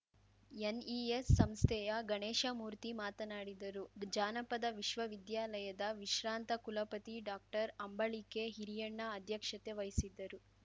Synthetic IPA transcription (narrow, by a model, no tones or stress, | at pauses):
eniesːɐmst̪ʰɛjɐɡɐɳɛːʃɐmuːɾt̪imaːt̪ɐnaːɽid̪ɐɾud͡ʒaːnɐpɐd̪ɐʋiʃʋɐʋid̪jaːlɐjɐd̪ɐʋiʃɾaːnt̪ɐkulɐpɐt̪iɖaːk̚ʈɐɾɐmbɐɭikeɦiɾijɐɳːɐːd̪ʱjɐkʂɐt̪eʋɐjsid̪ːɐɾu